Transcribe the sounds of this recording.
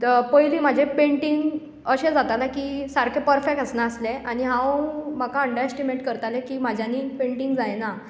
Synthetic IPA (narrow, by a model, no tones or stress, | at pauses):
pəjliːm̤ad͡ʑʱepẽɳʈiŋɡ | əɕẽd͡zat̪alakiːsaɾkʰepəɾfek̚ʈ̪əsnaəsleʔaɽ̃iɦãwm̤akaəɳɖəɾesʈimeʈkəɾt̪alekiːmad͡ʑʱjanːiːpẽɳʈiŋɡd͡zajna